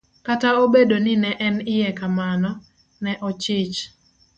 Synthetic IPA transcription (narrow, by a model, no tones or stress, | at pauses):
kataobedonɪnɛʔɛnɪjɛkamanɔ | nɛʔɔt͡ʃɪt͡ʃ